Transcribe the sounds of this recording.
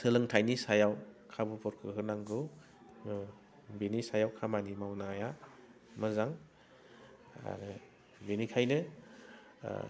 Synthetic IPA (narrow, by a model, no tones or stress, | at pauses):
sɯlɯŋtʰajnisajawkʰabupʰɔɾkʰɯɦɯnaŋɡɯ | benisajawkʰamanimawnaja | mɯzaŋ | a̰ɾɯ | benikʰajnɯ